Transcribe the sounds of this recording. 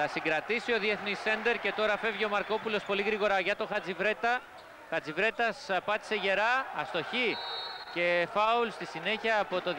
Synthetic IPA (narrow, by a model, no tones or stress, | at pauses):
ɐsiŋɡɾɐt̪isio̞ðie̞θnise̞nd̪e̞ɾce̞t̪o̞ɾɐfe̞vʝio̞mɐɾko̞pulo̞spo̞liɣɾiɣo̞ɾɐʝɐt̪o̞xɐd͡zivɾe̞t̪ɐ | xɐt͡sivɾe̞t̪ɐspɐt̪i̥se̞ʝe̞ɾɐːst̪o̞çice̞fɐulst̪isine̞çiɐːpo̞t̪o̞